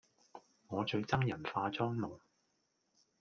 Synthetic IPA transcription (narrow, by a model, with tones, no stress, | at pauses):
ŋɔː˨˧t͡ʃɵ˧ɥt͡sɐ˥ŋjɐ˨˩nfaː˧t͡sɔː˥ŋno˨˩ŋ